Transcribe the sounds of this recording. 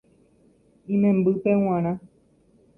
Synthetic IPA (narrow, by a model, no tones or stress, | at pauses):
ĩmɛ̃mbɨpew̃ãɾ̃ã